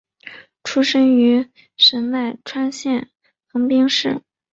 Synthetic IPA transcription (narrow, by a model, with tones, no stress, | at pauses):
ʈ͡ʂʰu˥ʂɤ˥ŋy˧˥ | ʂə˧˥nna˥˩ɪʈ͡ʂʰwa˥nɕjɛ˥˩n | xɤ˧˥ŋpi˥ŋʂɻ̩˥˩